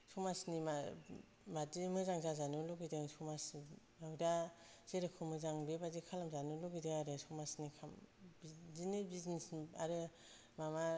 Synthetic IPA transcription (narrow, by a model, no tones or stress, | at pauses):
sumasnima | madimɯzaŋzazanɯloɡidɯŋsumas | awdaz̥eɾɯkʰɯmɯzaŋbebazikʰalamzanulɔɡidɯŋaɾɯsɔmasnikʰambzinebiznisaɾɯ | mama